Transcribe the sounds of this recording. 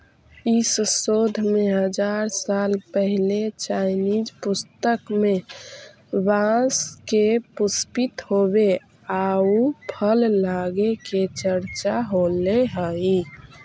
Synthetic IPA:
isəsod̪ʱmeɦəd͡ʒaɾsalpəɦilet͡ʃaɪnid͡ʒpust̪əkme | bãskepʊspit̪ɦobe | aupʰəllaɡeket͡ʃəɾt͡ʃaɦoleɦəi

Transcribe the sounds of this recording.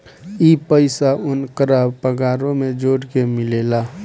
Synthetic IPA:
ipəɪsaʔʊnkəɾaːbpəɡaːɾõmẽd͡ʒoːɽkemɪleːlaː

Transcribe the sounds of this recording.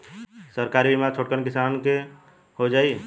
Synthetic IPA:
səɾkaɾibimat͡ʃʰoʈkənkɪsanke | hod͡ʒaːi

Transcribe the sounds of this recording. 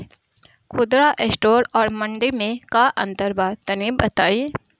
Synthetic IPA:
kʰʊd̪ɾaʔesʈoːɾɔːɾmɐ̃ɳɖemẽkaʔɐ̰̃nt̪əɾbaːd̪̚t̪ɐnibɐt̪aːi

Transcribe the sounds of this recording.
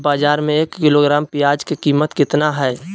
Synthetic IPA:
baːd͡ʒaːɾmẽeːkːɪloːɡɾaːmpɪjaːd͡ʒkekiːmət̪kɪt̪naɦɛː

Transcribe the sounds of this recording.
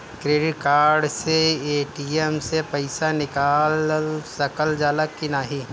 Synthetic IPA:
kɾeːɖɪʈ̚kaːɾɖseeːʈiemsepɐɪsanɪkaːlsɐkəld͡ʒaːlakkːɪnaːɦi

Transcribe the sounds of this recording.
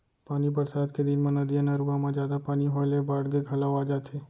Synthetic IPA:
paːnibəɾsaːd̪ked̪ɪnmãnɐd̪ijanaɾuamãd͡ʒaːd̪apaːniɦɔːɪlebaːɽɡeɡʱɐlaːoaːd͡ʒaːt͡ʃʰeː

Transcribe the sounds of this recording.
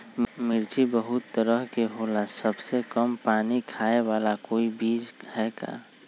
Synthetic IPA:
mɪɾt͡ʃibəɦʊt̪ːəɾəɦkeɦoːlasəbsekəmpaːnikʰaːewaːlakoːibiːd͡ʒhɛːka̰ː

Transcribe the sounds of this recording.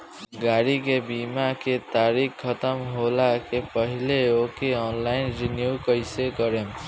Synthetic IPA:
ɡaɾikebimaket̪aɾikʰːʌt̪ʌmɦolakepʌɦileokeɔnlajinɾinjukʌjseɡʌɾem

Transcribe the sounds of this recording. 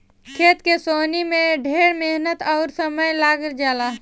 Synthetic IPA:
kʰeːt̪kesoːnimẽɖʱeːɽmeɦnət̪ɔːɾsəməjlaːɡəɾd͡ʒaːlaː

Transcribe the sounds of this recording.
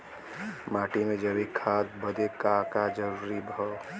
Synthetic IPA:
maʈimed͡ʒəbikʰad̪bəd̪ekakad͡ʒəɾuɾibʱɔ

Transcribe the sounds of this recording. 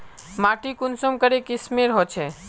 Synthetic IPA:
maʈikunsomkəɾekismeɾɦot͡ʃʰɛ

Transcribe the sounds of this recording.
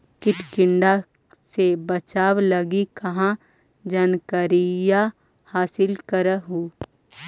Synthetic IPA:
kɪʈʰkɪɳɖa | sebɐt͡ʃaːwlɐɡikɐɦã | d͡ʒɐnkəɾija | haːsɪlkɐɾəɦuː

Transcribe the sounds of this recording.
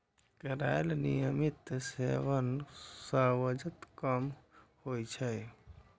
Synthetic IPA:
kəɾajlnḭjəmit̪sḛʋənsəʋəd͡ʒət̪kəmhojt͡ʃʰəj

